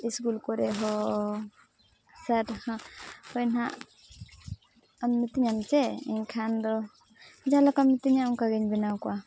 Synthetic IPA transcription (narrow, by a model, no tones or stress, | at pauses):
iskulkɔɾɛɦɔ | sathahɔjnɦa̰ʔ | amnit̪iɲamt͡ʃɛḭɲkʰand̪ɔ | d͡ʒalɔkamnit̪iɲamkaɡɛɲbɛnawkɔwa